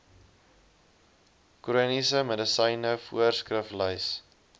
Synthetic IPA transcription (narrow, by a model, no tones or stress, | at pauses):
kɾuənisəmədəsəjnəfṵərskrəfləjs